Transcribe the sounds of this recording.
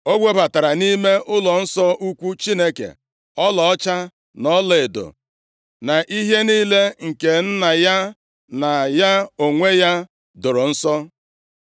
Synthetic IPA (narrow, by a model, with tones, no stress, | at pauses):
o˦ɡʷe˦ba˨ta˨ɾa˨ni˦me˦ʔʊ˦lɔ˨n̩˦sɔ˦ʔu˦kʷu˦t͡ʃi˦ne˦kḛ˨ | ɔ˦lɔ˨ɔ˦t͡ʃa˦ | nɔ˦le˨do̰˨ | na˨ʔi˦ɦe˦niː˦le˦ŋ̩˨ke˨n̩˦na˨ja˦ | na˨ja˦o˨ŋʷe˦ja˦ | dʊ˨ɾo˨n̩˦sɔ˦